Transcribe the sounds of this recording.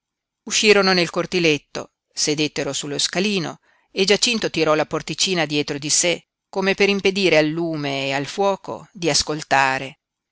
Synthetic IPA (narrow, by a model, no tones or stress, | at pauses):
uʃːiːɾononelkort̪ilet̪ːo̰ | sed̪et̪ːeɾosulːoskaliːno̰ | ed͡ʒat͡ʃint̪ot̪iɾɔlaport̪it͡ʃiːnad̪jɛːt̪ɾod̪ise | komepeɾimped̪iːɾealːuːmeːalfwɔːko̰d̪iaskolt̪aːɾe